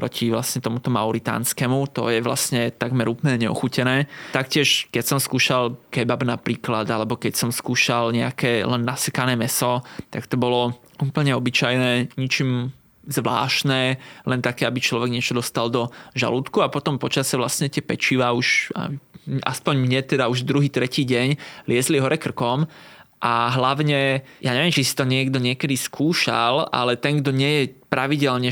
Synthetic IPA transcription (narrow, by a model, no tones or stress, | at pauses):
pɾɔcʰiʋlasɲɛt̪ɔmut̪ɔmauɾit̪a̰ːnskɛmut̪ɔ̰jɛʋla̰sɲɛt̪aɡmɛɾuːpl̩ɲɛɲɛɔ̰xucɛnɛːt̪akcɪɛʃkɛcsɔmskuːʃalkɛbabnapɾiːklad̪alɛbɔkɛcsɔmskuːʃalɲɛakɛːlɛnːasɛkanɛːmɛsɔt̪akt̪ɔbɔlɔ | ʔuːpl̩ɲɛɔbit͡ʃajnɛːɲit͡ʃim | zʋla̰ːʃtnɛːlʔɛnt̪akɛːabit͡ʃlɔʋɛɡɲɪɛt͡ʃɔd̪ɔst̪ald̪ɔʒa̰luːt̪kuapɔt̪ɔmpɔt͡ʃasɛʋlastɲɛt̪ɪɛpɛt͡ʃiʋauʃa̰ʔa̰spɔɲmɲɛt̪ɛd̪auʒd̪ɾuɦiːt̪ɾɛciːɟɛɲlɪɛzliɦɔɾɛkr̩kɔmʔaɦlaʊɲɛjʔaːɲɛʋiɛmt͡ʃisi̥t̪ɔɲɪɛɡd̪ɔɲɪɛkɛd̪iskʰuːʃa̰la̰lɛt̪ɛŋɡd̪ɔɲɪɛjɛpɾaʋiɟɛlɲɛ